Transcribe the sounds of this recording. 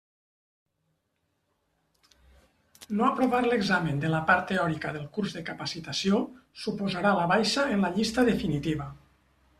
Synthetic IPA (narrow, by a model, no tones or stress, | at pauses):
noapɾoβaɾləɡzamənd̪ələpaɾt̪ːeɔɾikəðəlˠkuɾzðəkəpasit̪asiosupozaɾaləβajʃəenləʎist̪əðefinit̪iβ̞ə